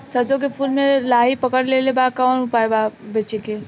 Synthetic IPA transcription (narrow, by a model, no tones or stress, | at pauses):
səd͡ʒok̬epʰulmelaɦipəkəɽlelebakanupaebabet͡ʃeke